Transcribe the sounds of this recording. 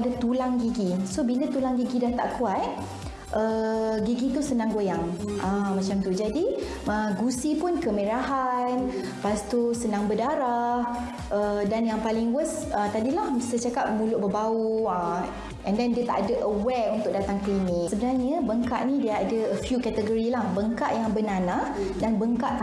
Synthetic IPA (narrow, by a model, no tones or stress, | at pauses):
dət̪ulaŋɡiɡisobilət̪ulaŋɡiɡidaht̪a̰ʔkuat̪̚ | ʔəɡiɡit̪usənãŋɡojaŋʔãmãt͡ʃamt̪ud͡ʒadi | əɡusipʊnkəmeɾaɦan | past̪usənãŋbədaɾah | ʔədanjaŋpalɪŋwəs | ət̪adilahsət͡ʃakap̚mũlʊʔbəbauə | ʔɛ̃ndɛndiət̪a̰ʔadəʔəwɛunt̪ʊk̚dat̪aŋklimiksəbənaɲəbəŋka̰ʔnĩdiəadəəfjukɛt̪əɡoɾilahbəŋkaʔjaŋbənanah | danbəŋkaʔ